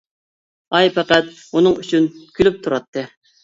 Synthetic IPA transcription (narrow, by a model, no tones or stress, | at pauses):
ɑjpʰɛqæt̪̚ | unɨŋyt͡ʃʰynkʲʰylyp̚t̪ʰuɾɑt̪ʰːɨ